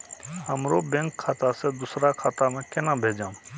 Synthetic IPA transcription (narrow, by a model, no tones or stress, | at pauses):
ɦəmɾobẽŋkʰːaːt̪ased̪ʊsɾakʰaːt̪amẽkenabʱed͡ʒaːm